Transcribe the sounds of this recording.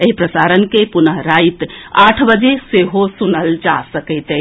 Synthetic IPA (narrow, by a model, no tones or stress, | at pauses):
eɦipɾəsaɾənkepunəɦɾait̪aʈʰbəd͡ʒeseɦosunəld͡ʒasəkəɪt̪e